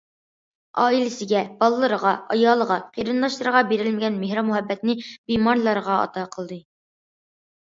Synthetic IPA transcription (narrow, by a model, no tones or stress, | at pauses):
ɑilɪsɪɡʲɛbɑlˠəlˠəɾəʁɑɑjɑːlˠəʁɑqʰeɾɨnd̪ɑʃlˠəɾəʁɑbeɾɪlmɪɡʲɛnmehɾɑmuhɛbːɛt̪nɪb̥imɑɾlˠɑɾəʁɑɑ̰t̪ɑqʰəlˠd̪ɨ